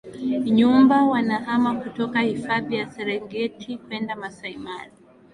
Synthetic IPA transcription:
ɲumbawanaʔamakutɔkahifaðijasɛɾɛŋɡɛtʰikwɛndamasaimali

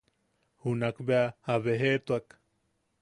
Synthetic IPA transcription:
hunakbeahaβeɦet̪uak

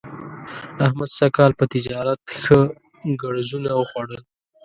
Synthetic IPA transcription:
ahmad̪sakɑlpət̪ɪd͡ʒɑɾat̪xə | ɡaɽzunawəxwaɽəl

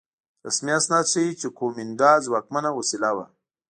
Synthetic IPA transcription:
əsmiasnasiit͡ʃekomind̪ɑːzwaːk̚manawosilawa̰

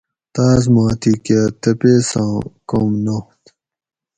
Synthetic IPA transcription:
t̪aːzmãːt̪ʰikat̪ɐpesãːkomnoht̪

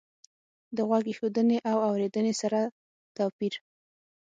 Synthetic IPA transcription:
d̪əɣwaɡexod̪əneʔawawɾed̪ənesaɾa | t̪ɑpiɾ

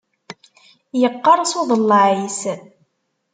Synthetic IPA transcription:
jəqːɑɾˤsoðˤəlːɑʕis

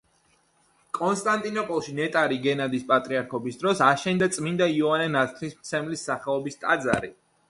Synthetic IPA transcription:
kʼɔnst̪ʼant̪ʼinɔpʼɔlˠʃinɛt̪ʼaɾiɡɛnad̪ispʼat̪ʼɾiaɾkʰɔbisd̪ɾɔsaʃɛnd̪at̪sʼmind̪aiɔanɛnat̪ʰɾismt̪sʰɛmlisːaχɛɔbist̪ʼad̪za̰ɾi

